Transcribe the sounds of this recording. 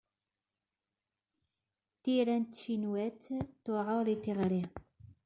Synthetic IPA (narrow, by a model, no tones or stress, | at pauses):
θiɾænt̪ːʃinwæt̪t̪ʊʕoɾiθiʁɾi